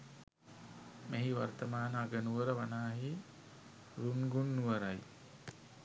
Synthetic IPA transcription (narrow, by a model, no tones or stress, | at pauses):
meɦiʋart̪əmaːnəaɡənuʋəɾəʋanaːɦi | ɾunɡunːuʋəɾaj